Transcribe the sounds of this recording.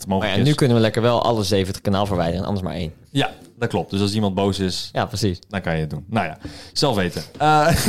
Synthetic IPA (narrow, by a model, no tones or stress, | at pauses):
moχəjaɛnːykɵnənʋəlɛkəɹʋɛlˠʔɑ̰ləzejvəntə̥χkanaːlˠvəɹʋɛjdərəɛnɑ̰ndəsma̰ːɹḛjn | jad̥ɑt̚klɔp̚d̥øsɑlˠsimɑnd̚bowsɪsjaprəsisdɑnkɑjəət̚dunːawja̰ːz̥ɛlˠfʋejtəə